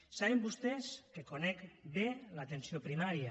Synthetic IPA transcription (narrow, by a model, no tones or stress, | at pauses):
saβembust̪eskekonɛkbelat̪ensiopɾimaɾjə